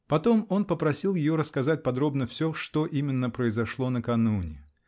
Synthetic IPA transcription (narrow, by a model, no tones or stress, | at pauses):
pɐt̪o̞mo̞npəpɾɐsʲilˠjɪjoɾəskɐzat̚ʲpɐd̪ɾo̞bnəfsʲɵʂt̪o̞ʔimʲɪnːəpɾəɪzɐʂlˠo̞nəkɐnunʲɪ